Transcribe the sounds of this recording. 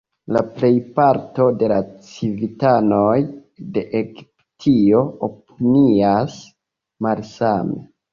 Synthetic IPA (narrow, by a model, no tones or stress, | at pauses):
laple̞jpaɾto̞de̞lat͡sivitano̞jde̞ʔeɡiptʰio̞opinias | malsamḛ